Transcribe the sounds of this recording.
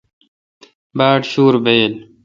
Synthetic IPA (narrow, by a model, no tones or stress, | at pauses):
baːʈɕuːɾbeːl